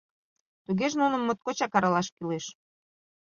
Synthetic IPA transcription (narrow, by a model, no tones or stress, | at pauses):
t̪uɣeʒnunə̆mːot̪̚kot͡ɕɑkɑɾɑlɑʃkileʃ